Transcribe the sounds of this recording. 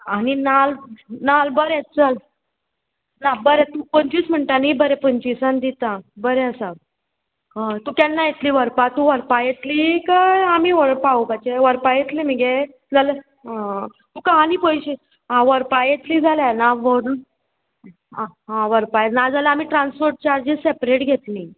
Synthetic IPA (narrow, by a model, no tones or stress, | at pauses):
aninalnalbəɾet͡sal | nabəɾet̪ũpənt͡ɕism̤əɳʈanibəɾepənt͡ɕisãnd̪it̪abəɾeəsa | t̪ukjanːajet̪liːʋəɾpat̪ũʋəɾpajet̪likaamiːʋəɾpaupat͡ɕeʋəɾpajet̪lim̤iɡe | d͡zalə | t̪ũkaɦaniːpojɕi | ɦãʋəɾpajet̪liːd͡zʱaljanaʋəɾu | aɦãʋəɾpajenad͡zʱaləamiːʈɾãnsfoɾʈ̚t͡ɕaɾd͡ʑisepɾeʈɡʱet̪li